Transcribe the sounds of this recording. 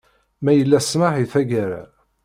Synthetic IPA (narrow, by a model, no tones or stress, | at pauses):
mæjəlːæsmaħiθæɡaɾa̰